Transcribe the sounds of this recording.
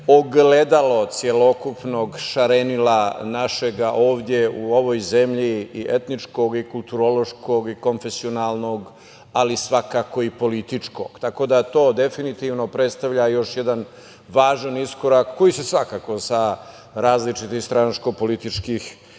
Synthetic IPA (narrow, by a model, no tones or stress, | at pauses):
oɡled̪alo̞t̪sjelo̞kupnoːɡʃaɾenilanaʃeɡaʔoːʋd̪je̞uoʋoːjze̞mʎiiʔet̪nit͡ʂko̞ɡikulˠt̪uɾolo̞ʃkoɡiko̞nfe̞sionaːlˠno̞ɡ | alisʋakaːko̞ipo̞lit̪it͡ʂko̞̰ːɡ̥t̪ako̞d̪at̪o̞ːd̪e̞finit̪iʋno̞pɾet̪st̪aʋʎajo̞ʃjed̪an | ʋaːʒanisko̞ɾakːo̞jisesʋakaːko̞sa | ɾaːzlit͡ʂit̪ixst̪ɾanasko̞po̞lit̪it͡ʂkix